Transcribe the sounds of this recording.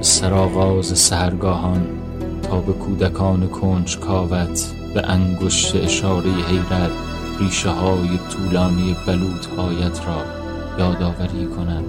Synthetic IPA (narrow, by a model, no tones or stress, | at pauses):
sæɾɒːɣɒːzesæhæɾɡɒːɦɒn | t̪ʰɒːbe̞kʰuːd̪ækʰɒːnekʰond͡ʒkʰɒːvæt̪ʰ | b̥ḛʔæŋɡoʃt̪ʰeʔeʃɒːɾejeɦe̞jɾæt̪ʰ | riːʃeɦɒːjet̪ʰuːlɒːnijebæluːt̪ʰbɒːjæt̪ʰɾɒː | jɒːd̪ɒːvæɾiːkʰonæd̪̥